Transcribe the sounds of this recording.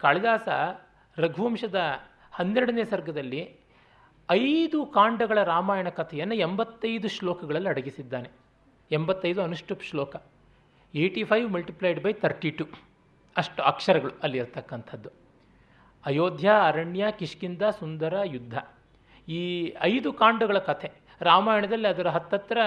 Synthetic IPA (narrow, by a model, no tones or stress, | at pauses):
kaːɭid̪aːsɐ | ɾɐɡʱuʋɐmʂɐd̪ɐ | hɐnːeɾɽɐneːsɐɾɡʱɐd̪ɐlːi | ɐjd̪ukaːɳɖɐɡɐɭɐɾaːmaːjɐɳɐkɐt̪ʰɐjɐnːɐembɐt̪ːɐjd̪uʂlɔːkɐɡɐɭɐlːiɐɽɐɡisid̪ːaːne̞ | embɐt̪ːɐjd̪uɐnuʂʈupʂlɔːkɐ | eːʈipʰɐjʋmɐlʈiplɐjɖbɐjt̪ʰɐɾʈiʈu | ɐʂʈuɐkʂɐɾɐɡɐɭuɐlːiiɾt̪ɐkːɐnt̪ʰɐd̪ːu | ɐjoːd̪ʱjɐːɾɐɳjɐkiʂkind̪ɐsund̪ɐɾɐjud̪ʱːɐ | iːɐjd̪ukaːɳɖɐɡɐɭɐkɐt̪ʰe | ɾaːmaːjɐɳɐd̪ɐlːiɐd̪ɐɾɐɦɐt̪ːɐt̪ɾɐ